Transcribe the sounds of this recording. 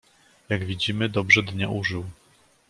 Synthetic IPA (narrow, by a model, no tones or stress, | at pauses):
jaɡvʲid͡ʑimɘd̪ɔbʐɛd̪ɲa̰ʔuʐɘw